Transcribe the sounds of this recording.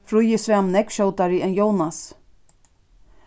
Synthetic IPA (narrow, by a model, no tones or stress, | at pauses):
fɾʊjɪsvamnɛkʃowt̪aɾɪɛnjownas